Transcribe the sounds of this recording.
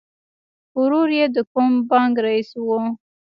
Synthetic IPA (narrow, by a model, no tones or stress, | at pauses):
ʊɾoɾjed̪əkʊmbɑŋɡɾaiswu